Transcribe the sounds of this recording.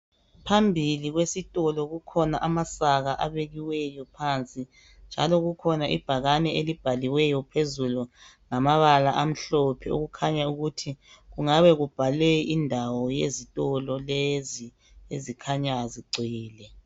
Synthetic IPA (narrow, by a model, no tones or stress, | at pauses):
pʰambʱiliɣwesitʼɔlɔɣukʰɔnaʔamasaɣaʔa̰βeɣiwɛjɔpʰant͡sʼi | nd͡ʒʱalɔɣukʰɔnaʔḭb̥ʱaɣanɛelib̥ʱaliwɛjɔpʰezulu | ŋamaβalaʔam̩ɬɔpʰɛo̰ɣukʰaɲauɣutʰiɣuŋaβɛɣub̥ʱaleindʱawɔjezitʼɔlɔlezi | ezikʰaɲaziɡ͡ǀʱiːlɛ